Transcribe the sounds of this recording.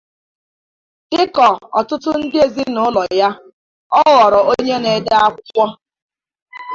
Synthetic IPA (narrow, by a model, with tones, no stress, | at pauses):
ɪ˦kɔ˨ɔ̰˨tʊ˦tʊ˦n̩˦dɪ˦e˨zi˦nʊ˨˦lɔ˨ja˦ | ɔ˦wɔ˨ɾɔ˨o˦ɲe˦ne˨da˦a˦kkʷɔ˦